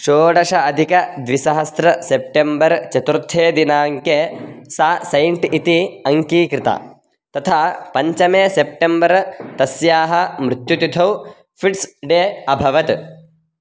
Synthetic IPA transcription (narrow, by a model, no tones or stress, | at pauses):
ʃoːɖɐʂɐːd̪ʱikɐd̪ʋisɐɦɐst̪ɾɐsep̚ʈembɐɾt͡ʃɐt̪uɾt̪ʰːeːd̪inaːŋkeːsaːsɐjɳʈit̪iɐŋkiːkɾɪt̪a̰ː | t̪ɐt̪ʰaːpɐɲt͡ʃɐmeːsep̚ʈembɐɾt̪ɐsjaːɦɐmɾut̪jut̪id̪ʰʱɐw | fʰiʈsɖeːɐbʱɐʋɐt̪